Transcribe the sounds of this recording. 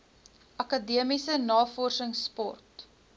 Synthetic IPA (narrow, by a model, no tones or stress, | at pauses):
ʔɐkɐdiəmisənɑːfɔrsəŋspɔ̰rt